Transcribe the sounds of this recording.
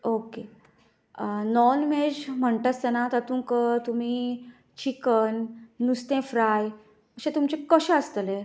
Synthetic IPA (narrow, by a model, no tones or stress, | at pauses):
oke | nɔnmed͡ʑm̤əɳʈ̪at͡st̪enat̪at̪ũkət̪um̤iː | t͡ɕikənːust̪ẽfɾaj | əɕẽt̪umt͡ɕekəɕẽəst̪əle